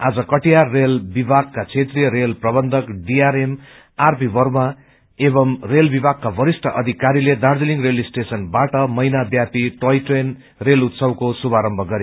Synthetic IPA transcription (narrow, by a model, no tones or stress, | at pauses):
ad͡zʌkʌʈijaːelbibʱaɡ̚kat͡sʰet̪rijʌɾelprʌbʌnd̪ʱʌkɖiaɾem | arpibʌrma | ebʌmrelbibʱaɡ̚kabʱʌɾisʈʰʌʔʌd̪ʱikaɾiled̪aɽd̪eliŋɡrelisʈesʌnbaʈʌmʌjnabjapiʈojʈren | relut̪sʌwkosubaɾʌmbʱʌɡʌɾj